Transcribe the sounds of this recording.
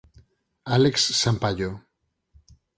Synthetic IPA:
aleksːampaʎo

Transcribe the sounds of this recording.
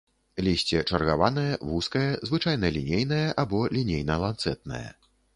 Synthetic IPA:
lʲisʲt͡sʲɛt͡ʂɐrɣavan̪ɐjɐvuskɐjɐzvɨt͡ʂajn̪ɐlʲinʲejn̪ɐjɐʔabɔlʲinʲejnɐlˠant̪sɛt̪̚nɐ̰jɐ̰

